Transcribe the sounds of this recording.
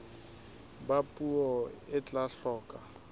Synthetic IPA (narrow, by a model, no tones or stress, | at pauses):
bapʼuɔɪt͡ɬʼaɬɔːkʼa